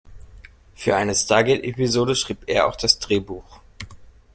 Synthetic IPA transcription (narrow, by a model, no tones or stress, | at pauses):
fyːɐʔaɪnəstaːɐɡɛtʔḛpizoːdəʃʁ̥iːpeːɐa̰ʊxd̥asd̥ʁeːbuːx